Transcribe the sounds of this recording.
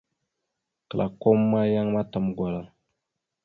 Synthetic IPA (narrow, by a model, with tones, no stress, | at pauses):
kə˨lʔa̰˨ko˦mːa˦ja˦ŋma˦ta˨mɡʷwa˨la˨